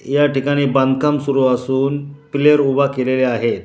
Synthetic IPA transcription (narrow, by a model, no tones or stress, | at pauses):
jaʈikaɽ̃iːbə̃nd̪kamsuɾuasuːnpleəɾubʱakeleleaɦet̪